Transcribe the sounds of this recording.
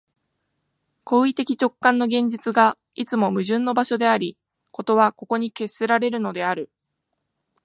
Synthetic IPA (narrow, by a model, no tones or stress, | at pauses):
ko̞ːit̪e̞kʲi̥t͡ɕo̞kːãnːo̞ɡẽ̞ɲ̟d͡ʑit͡sɨɡa | it͡sɨmo̞mɯ̟ʑɨ̃nːo̞baɕo̞d̪e̞aɾʲi | ko̞t̪o̞βako̞ko̞ɲ̟ike̞sːe̞ɾaɾe̞ɾɯ̟no̞d̪e̞aɾɯ̟